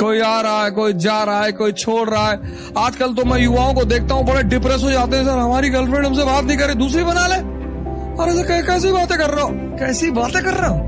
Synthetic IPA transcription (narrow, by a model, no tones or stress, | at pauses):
koːiaːɾaːekoːid͡ʒaːɾaeːkoːit͡ʃʰoːɽɾaɦɛː | aːd͡ʒkəlt̪omɛ̃juʋaːõkod̪eːk̚ʰt̪aːɦũbɐɽeɖɪpɾɛsɦod͡ʒaːt̪̬eɦɛ̃sɐɾɦɐmaːɾiɡɐlfɾẽːɖɦɐms̬ebaːt̪nɐɦĩk̬ɐɾed̪uːs̬ɾibɐnaːlẽː | ɔɾeskɛkɛːs̬ibaːt̪ẽkɐɾːeõː | kɛːsibaːt̪ẽkɐɾːeõː